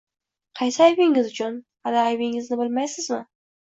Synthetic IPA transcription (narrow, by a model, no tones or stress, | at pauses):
qʰɑjsɪajbɪŋɪzʊt͡ʃʰʊn | anaːjbɪŋɪznɪbɪlmajsɪzmɪ